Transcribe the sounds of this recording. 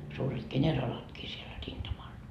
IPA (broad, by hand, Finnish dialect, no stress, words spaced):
suːret kenʲerɑlɑtkiː siel rintɑmɑl